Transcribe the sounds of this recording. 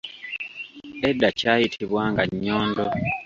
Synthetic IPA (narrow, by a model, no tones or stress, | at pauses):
edːacaːjitʰiβwaːŋɡaɲːoːndo